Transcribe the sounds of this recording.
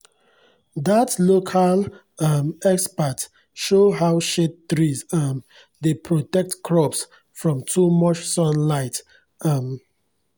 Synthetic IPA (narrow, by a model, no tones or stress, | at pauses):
datlokʰal | ʌmɛkspat | ʃoɦaʊʃet̚dɹizʌm | depʰɹotɛk̚tkʰɹɔps | fɹɔ̃mtʰumʌt͡ʃsɔ̃nlaɪt | m